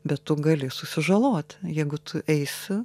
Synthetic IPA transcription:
bʲɛt̪tʊɡɐlʲɪsʊsʲɪʒɐlˠoːt̪ʲjɛɪɡʊt̪ʰʊʔɛɪsʲɪ

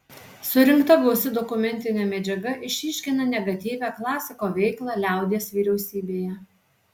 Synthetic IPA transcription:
sʊɾʲɪŋkt̪ɐɡlɔʊsʲɪd̪ɔkʊmʲɛnʲt̪ʲɪnʲɛːmʲɛd͡ʒʲɛɡɐʔɪʃʲiʃʲkʲɪnɐnʲɛɡɐt̪ʲiːʋʲæːklˠɑːsʲɪkoːʋʲɛɪklˠɑːlʲæˑʊd̪ʲeːsʋʲiːɾʲɛʊsʲiːbʲeːjɛ

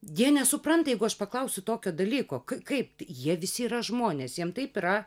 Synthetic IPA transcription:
jiɛnʲɛsʊpɾɐnt̪ɐjɛɪɡʊɐʃpɐklˠɐʊsʲʊt̪oːkʲoːd̪ɐlʲiːkoːkɐɪkɐɪp̚tjiɛʋʲɪsʲɪiːɾɐʒmoːnʲeːsjiɛmt̪ɐɪpɪɾɐ

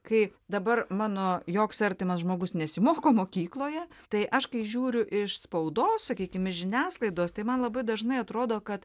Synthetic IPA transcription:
kɐɪd̪ɐbɐrmɑːnoːjoːksɐɾʲt̪ʲɪmɐsʒmoːɡʊsnʲɛsʲɪmoːkoːmoːkʲiːklˠoːjɛ | t̪ɐɪʔɐʃkɐɪʒʲuːɾʲʊʔɪʃspɐʊd̪oːssɐkʲiːkʲɪmɪʃʒʲɪnʲæːslˠɐɪd̪oːst̪ɐɪmɐnlˠɐbɐɪd̪ɐʒnɐɪɐt̪ɾoːd̪oːkɐt̪

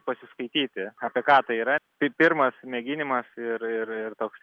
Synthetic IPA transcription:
pɐsʲɪskɐɪt̪ʲiːt̪ʲɪɑːpʲiɛkɑːt̪ɐɪiːɾɐpʲɪpʲɪrmɐsmʲɛɡʲɪnʲɪmɐsɪrɪrɪrt̪oːks

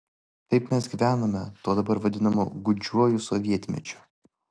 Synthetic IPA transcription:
t̪ɐɪpmʲɛs̬ɡʲiʋʲæːnoːmʲɛt̪oːd̪ɐbɐɾʋɐd̪ʲɪnɐmoɡʊd͡ʒʲuɔjʊsɔʋʲiɛt̪ʲmʲɛ̰t͡ʃʲʊ̥

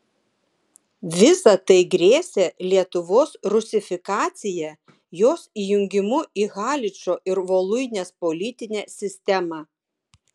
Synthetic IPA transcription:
ʋʲɪsɐt̪ɐɪɡɾʲeːsʲeːlʲiɛt̪ʊʋoːsɾʊsʲɪfʲɪkɑːt̪sʲɪjɛ | joːsiːjʊŋʲɡʲɪmʊiɣɑːlʲɪt͡ʃʲoːʔɪɾʋoːlˠʊɪnʲeːspɔlʲɪt̪ʲɪnʲɛːsʲɪsʲt̪ʲɛmɑ

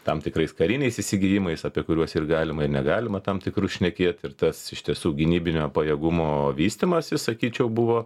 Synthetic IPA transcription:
t̪ɐmt̪ʲɪkrɐɪskɐɾʲɪnʲɛɪsɪsʲɪɡʲɪjɪmɐɪsɐpʲiɛkʊɾʲuɔsɪrɡɑːlʲɪmɐɪrnʲɛɡɑːlʲɪmɐt̪ɐmt̪ʲɪkɾuːʃʲnʲɛkʲeːt̪ɪrt̪ɐsɪʃʲt̪ʲiɛsuːɡʲɪnʲiːbʲɪnʲoːpɐjɛːɡʊmoːʋʲiːsʲt̪ʲɪmɐsʲɪsɐkʲiːt͡ʃʲɛʊbʊʋoː

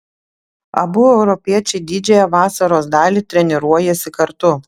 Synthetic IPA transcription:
ɐ̰bʊɛʊɾɔpʲiɛt͡ʃʲɛɪd̪ʲid͡ʒʲɛjɛʋɑːsɐɾoːsd̪ɑːlʲiːˑt̪ʲɾʲɛnʲɛɾuɔjɛsʲɪkɐɾt̪ʊ

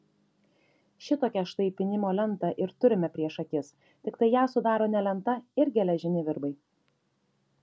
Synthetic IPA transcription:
ʃʲɪt̪oːkʲɛʃt̪ɐɪpʲɪnʲɪmoːlʲɛnˑt̪ɐʔɪɾt̪ʊɾʲɪmʲɛpʲɾʲiɛʃɐkʲɪs | t̪ʲɪkt̪ɐɪjæːsʊd̪ɑːɾoːnʲɛlʲɛnt̪ɐɪɾʲɡʲɛlʲɛʒʲɪnʲɪʋʲɪɾbɐɪ

